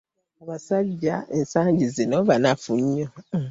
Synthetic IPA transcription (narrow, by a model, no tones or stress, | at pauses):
aβasad͡ʒaesãd͡ʒizenɔbanãfuɲːõ